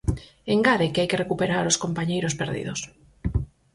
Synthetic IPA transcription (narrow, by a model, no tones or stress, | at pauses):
eŋɡaɾekɪajkerekupeɾaɾoskompaɲejɾospeɾðḭðos